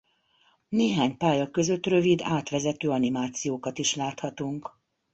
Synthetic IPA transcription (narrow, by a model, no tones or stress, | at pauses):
neːɦaːɲpaːjɒkø̞zø̞t̪ːrø̞vid̪aːt̪ʋɛzɛt̪øːɒnimaːt̪sijoːkɒt̪iʃlaːt̪hɒt̪uŋk